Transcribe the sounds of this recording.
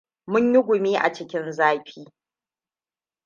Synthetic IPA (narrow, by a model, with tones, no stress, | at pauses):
mʊ˦ɲjɪ˦ɡʷʊ˨miː˦ʔa̰˨t͡ʃɪ˦kʲɪ˦nzaː˦ɸiː˦